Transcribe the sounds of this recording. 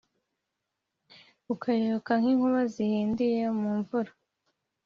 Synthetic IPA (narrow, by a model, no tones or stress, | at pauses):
ukʰajookaŋ̥hiːŋhuβazihiːndijemuːɱvuɾa